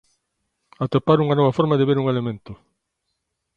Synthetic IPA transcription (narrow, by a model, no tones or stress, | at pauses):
at̪epaɾuŋanɔβafɔɾmaðɪβeɾuŋelemẽnt̪ʊ